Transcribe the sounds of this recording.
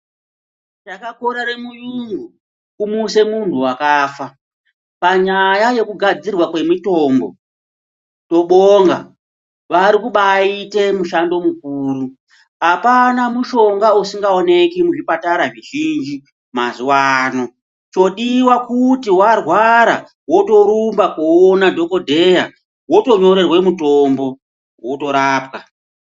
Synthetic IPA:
takako̞ɾaɾemujuŋɡu | kumuse̞muntʰuwakaːfa | paɲajaje̞kuɡʱad͡zirwakwe̞mito̞ːmbo̞̰ | toɓoŋɡa̰ | ʋaɾikuɓaite̞muʃando̞muk̚uːɾu | apanamuʃo̞ŋɡausiŋɡaone̞kimuʐipataɾaʐiʒind͡ʒi | mazuwano̞ | t͡ʃo̞ɗiwakutiwarwaɾa̰ | wo̞to̞ɾumbakoonadʱo̞ko̞dʱe̞ja | wo̞to̞ɲo̞ɾe̞rwemuto̞mbo̞ | woto̞ɾaːpka

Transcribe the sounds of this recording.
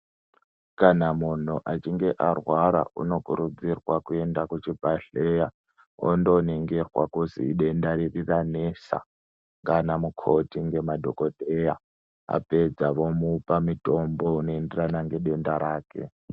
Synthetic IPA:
kanamun̤uʔat͡ʃiŋɡeʔarwaɾa̰ṵno̞kuɾud͡zirwakuendakut͡ʃib̥ʱaɬeja | o̰ndoniŋɡerwakuzḭːɗendaɾiriranesa̰ | ŋɡanamukʰotiŋɡe̞madʱokodʱeja | a̰ped͡zaʋomupamitʼombounoenderanaŋɡe̞ɗendaɾaːkḛ

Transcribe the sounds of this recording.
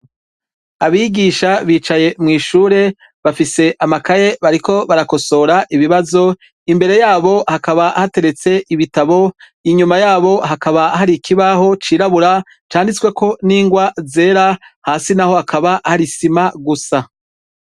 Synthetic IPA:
aβiɡiʃaβiːt͡ʃaje̞mŋiːʃuːɾe̞ | βafise̞ʔamakaje̞βaɾiko̞βaɾako̞so̞ɾaʔiβiβazo̞ | imbe̞ɾe̞jaːβo̞hakaβahate̞ɾe̞t͡se̞iβitaβo̞ | iɲumajaːβo̞ɦakaβaɦaɾikʰiβaɦo̞t͡ʃiːɾaβuɾa | t͡ʃaːndit͡skwe̞kʰo̞niːŋɡwaze̞ːɾahaːsinaho̞hakʰaβaʔhaɾisimaɡusa

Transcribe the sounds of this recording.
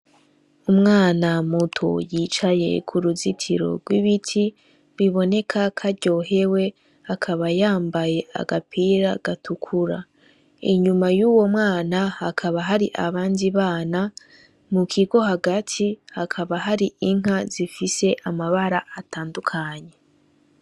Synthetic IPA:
umŋaːnamutʰo̰jiːt͡ʃaje̞̰kʰuɾuzitʰiɾo̞̰ɡwiβitʰi | βiβo̞ne̞kʰakʰaɟo̞ːɦe̞we̞ | hakʰaβajaːmbaje̞a̰ɡapʰiɾaɡ̥atʰukʰuɾa̰ | ḭɲumajuːwo̞mŋaːnahakʰaβaɦaɾiʔaβaːndiβaːna | mukʰiɡo̞ɦaɡatʰihakʰaβaɦaɾiiŋ̥az̥ifise̞ʔamaβaɾaataːndukʰaɲe̞

